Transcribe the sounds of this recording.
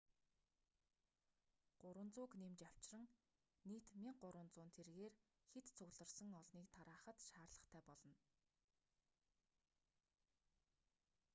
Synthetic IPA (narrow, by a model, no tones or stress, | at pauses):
ɢ̥ʊɾwə̆nt͡sʊːknemt͡ɕaw̥t͡ɕrə̆ŋ | niːt̪mʲiɴɢʊɾwə̆nt͡sʊːnt̪ʰerɣeːr | xet̪t͡sʰʊɣɮə̆rsə̆ŋɔɮniːkt̪ʰaɾaːχə̆t̪ʃaːrɮə̆χt̪ʰæːpɔɮɞ̆n